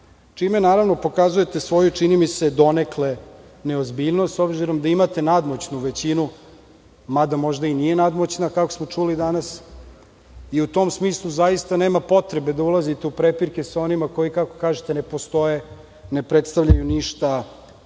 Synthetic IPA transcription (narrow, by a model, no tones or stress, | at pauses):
t͡ʃime̞naːɾaʋno̞po̞kazuje̞t̪esʋo̞jut͡ʂinimised̪o̞ne̞klene̞ozbiʎnost̪o̞bziɾo̞md̪aimat̪e̞nad̪mo̞t͡ɕnuʋet͡ɕinu | mad̪amo̞ʒd̪ainije̞nad̪mot͡ɕnakako̞smo̞t͡ʂulid̪anas | iut̪o̞msmiːslˠuzajist̪aneːmapo̞t̪ɾebe̞d̪aulˠazit̪eupɾepiɾke̞sao̞nimako̞jikako̞̥kaːʒet̪e̞ne̞po̞st̪o̞je̞ | ne̞pɾet̪st̪aʋʎajuniʃt̪a